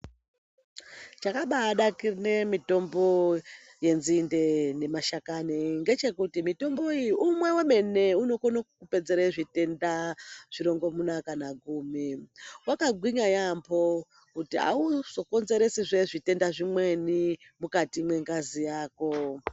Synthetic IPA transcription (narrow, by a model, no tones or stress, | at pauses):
t͡ʃakaɓaːɗakirnemito̞mbo̞ | je̞nzinde̞ne̞maʃakaneŋɡe̞t͡ʃe̞kutimito̞mbo̞ijiumwe̞weme̞ne̞uno̞konakupe̞d͡zeɾeiʐite̞ndaʐ̥iɾo̞ŋɡo̞munakanaɡʱuːmiwakaɡʱwiɲajambo̞ | kutia̰uz̥o̞ko̞nze̞ɾesiʐeʐite̞ndaʐimwe̞ni | mukatimwe̞ŋɡazijaːko̞